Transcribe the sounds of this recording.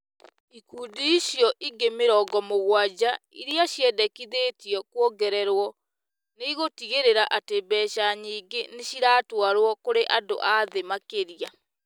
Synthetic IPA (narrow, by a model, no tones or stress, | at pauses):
ikuːdiiɕjɔʔiɡemeɾɔɡɔmoɣwad͡ʑa | iɾiaɕjɛdɛkiðeːtiɔkwɔɡɛɾɛɾwɔ | neiɣotiɣeɾeɾaʔatebɛɕaɲiːɡeneɕiɾaːtwaɾwɔkoɾeʔado̰ʔaðemakeɾia